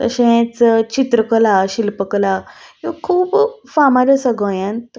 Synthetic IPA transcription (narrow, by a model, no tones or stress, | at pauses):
t̪ə̰ɕẽt͡st͡ɕit̪ɾəkəlaɕilpəklajokʰuːpfamaɾəsəɡõjãnt̪